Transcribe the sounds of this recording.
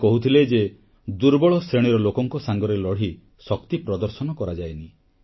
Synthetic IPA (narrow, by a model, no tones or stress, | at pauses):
kɔɦut̪ʰiled͡ʒe | d̪uɾbɔɭɔsɾeɽ̃iɾɔlokɔŋkɔsaŋɡɔɾelɔɽ̤i | sɔkt̪ipɾɔd̪ɔɾsɔnɔkɔɾad͡ʒajni